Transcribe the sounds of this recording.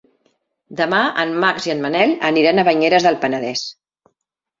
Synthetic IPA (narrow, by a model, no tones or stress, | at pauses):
d̪əmaənmakziənmənɛləniɾanəβəɲeɾəzðəlˠpənəðɛs